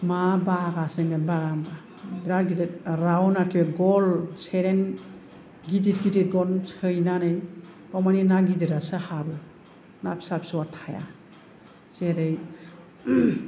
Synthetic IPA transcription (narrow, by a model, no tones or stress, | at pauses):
mabaɡaseŋɡanbaɡamba | biɾaɾɡidet̚ɾawɔnaɾkʰiɡɔlseɾen | ɡiditɡidit̚ɡɔnsʰɯjnanɯjbawmaninaɡidiɾasɯhabɯ | napi̥sapʰi̥swatʰaja̰ | seɾej